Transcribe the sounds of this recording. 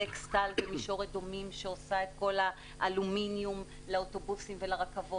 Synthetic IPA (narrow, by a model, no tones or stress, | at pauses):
ekst̪albemiʃo̞ʁedo̞mimʃeosae̞t̪̚ko̞la | ʔaluminjum | laoto̞busimvelaʁakavo